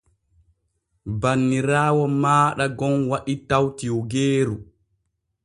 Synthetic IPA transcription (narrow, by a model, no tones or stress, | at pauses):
banːiɾaːwɔmaːɗaɡɔnwaɗitawtiwɔɡeːɾu